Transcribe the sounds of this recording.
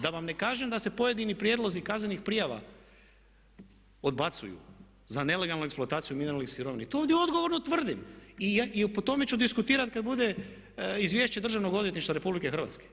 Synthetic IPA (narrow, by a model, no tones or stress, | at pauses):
d̪aʋamne̞kaːʒemd̪ase̞po̞je̞d̪inipɾje̞d̪lˠo̞zikaznenixpɾijaʋa̰ | o̞d̪bat̪sṵjṵ | zane̞le̞ɡalˠnueksploat̪aːt̪sijumineɾalnixsiɾo̞ʋinet̪ooːʋd̪jeo̞d̪ɡo̞ʋo̞ɾnot̪ʋr̩d̪imiipot̪o̞met͡ʃud̪iskut̪iːɾat̪kad̪bud̪e̞ | izʋje̞ːʃt͡ɕed̪r̩ʒaʋno̞ɡo̞d̪ʋjet̪niʃt̪aɾe̞publikexr̩ʋa̰t̪ske̥